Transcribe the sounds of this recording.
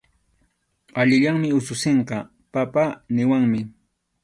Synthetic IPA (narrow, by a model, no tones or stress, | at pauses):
aʎɪʎaŋmɪʊsʊseɴqɑ | papanɪwaŋmɪ